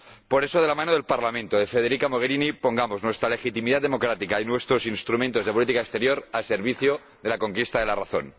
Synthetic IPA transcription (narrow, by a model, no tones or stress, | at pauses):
po̞ɾe̞soð̞e̞lamãnoð̞elpaɾlamẽ̞nt̪oðe̞fe̞ð̞eɾikamo̞ɣ̞eɾinipo̞ŋɡamo̞znwe̞st̪ɾale̞xit̪imiðat̪ðemo̞kɾat̪ikainwe̞st̪ɾo̞sinst̪ɾumẽnt̪o̞zðepolit̪ikaekst̪e̞ɾjo̞ɾase̞ɾβ̞iθjo | ðe̞lako̞ŋkist̪aðe̞laraθo̞̰n